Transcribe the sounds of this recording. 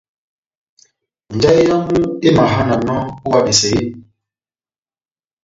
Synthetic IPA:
n̩˨d͡ʒa˦i˦ja˦mu˦e˦ma˨ɦa˦na˨nɔ˦u˦wa˨be˨sɛ˨i˦˨

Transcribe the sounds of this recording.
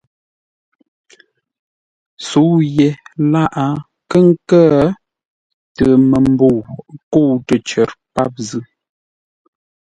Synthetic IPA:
su˨˦je˨la˦ʔa˦ | kə˦˨ŋ˦kə˦ | tə˨mə˨m˦bo˦˨ko˦˨tə˨t͡ʃə˨ɾpa˦˨p̚zʉ˦

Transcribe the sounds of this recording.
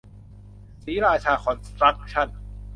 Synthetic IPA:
siː˩˦ɾaː˧t͡ɕʰaː˧kʰɔ˧nst̪ɾa˦˥k̚t͡ɕʰa˥˩n

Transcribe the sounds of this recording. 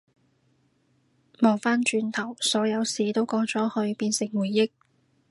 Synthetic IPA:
mo˨˩wfaː˥nt͡ʃyː˧nt̪ʰɐ˨˩wsɔː˨˥jɐ˨˧wsiː˨t̪o˥wkɔː˨˥ŋt͡sɔː˨˥hɵ˧ɥpiː˧nsɪ˨˩ŋwuː˨˩jːɪ˥k̚

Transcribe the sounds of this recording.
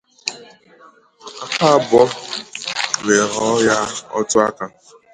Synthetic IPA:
a˦ka˦bɔ˦ | le˨ɾɔ˦ja˦ɔ̰˦tʊ˦a˦ka˨

